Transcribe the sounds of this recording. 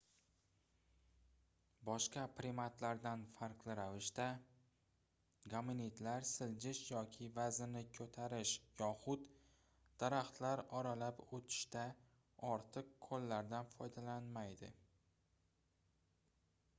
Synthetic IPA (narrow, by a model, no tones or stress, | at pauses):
bɒʃqɑpɾɪmat̪laɾd̪anfaɾqlɪɾavɪʃt̪a | ɡamɪnit̪laɾsɪld͡ʒɪʃjɒkʲʰɪvazɪnɪkʲʰɵt̪ʰaɾɪʃjɒχʊt̪ | d̪̥aɾaχt̪laɾɒɾalapot̪ʰɪ̥ʃt̪a | ɒɾt̪ʰɨqkʰːolːaɾd̪anfɒjd̪alanmajd̪ɪ̰